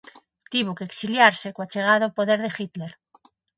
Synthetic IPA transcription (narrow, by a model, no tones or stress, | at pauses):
t̪iβ̞okeksiljaɾsekoat͡ʃeɣ̞aðopoðeɾðexit̪leɾ